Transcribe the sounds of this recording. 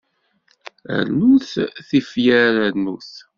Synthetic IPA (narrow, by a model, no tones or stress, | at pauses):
ə̰ɾnuθθifjæɾænuθ